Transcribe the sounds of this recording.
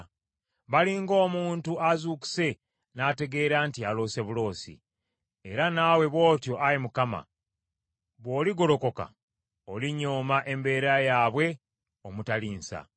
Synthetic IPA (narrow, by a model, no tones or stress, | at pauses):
βaliŋɡo̞ːmuːntuazuːki̥se̞ | naːte̞ɡe̞ːɾaːntialo̞ːse̞βulo̞ːsḭ | eɾanaːwe̞βwo̞ːtjo̞ʔajimukama̰ | βwo̞ːliɡo̞lo̞ko̞ka̰ | oliɲo̞ːmaʔe̞mbe̞ːɾajaːβwe̞ | omutaliːnsa̰